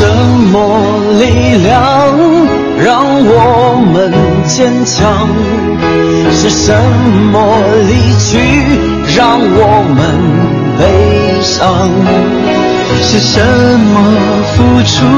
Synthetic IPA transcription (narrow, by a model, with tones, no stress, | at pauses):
ʂə˧˦˥nmɔ˧˦ | li˥˧˩ljɑ˧˩ŋ | ɻɑ˧ŋwɔ˨˩mə˧n | t͡ɕjɛ˥nt͡ɕʰjɑ˧ŋ | ʂɻ̩˥˧ʂə˧˦nmə˧˦li˥˧˩t͡ɕʰy˥ | ɻɑ˥˧ŋwɔ˨˩mə˧˦n | pe˧˥ɪ | ʂɑ˧ŋ | ʂɻ̩˧ʂə˧˦mə˧ | fu˥ʈ͡ʂʰu˧˥